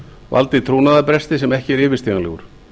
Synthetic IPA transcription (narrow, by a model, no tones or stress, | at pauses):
va̰lt̪ɪt̪ʰɾoːwnaðapɾɛst̪ɪsɛmɛhcɪɛɾɪːvɪst̪iːɣanlɛːɣʏɾ̥